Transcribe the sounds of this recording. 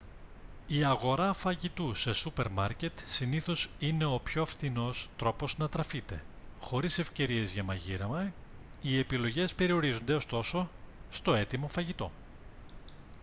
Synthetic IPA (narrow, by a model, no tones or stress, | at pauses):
iɐɣo̞ɾɐfɐʝit̪use̞supe̞ɾmɐɾce̞t̪siniθo̞sine̞o̞pço̞ɐfθino̞st̪ɾo̞po̞znɐt̪ɾɐfit̪ḛxo̞ɾise̞fce̞ɾie̞zʝɐmɐʝiɾɐmɐ | ie̞pilo̞ʝe̞spe̞ɾio̞ɾizond̪e̞o̞st̪o̞so̞st̪oe̞t̪imo̞fɐʝit̪o̞̰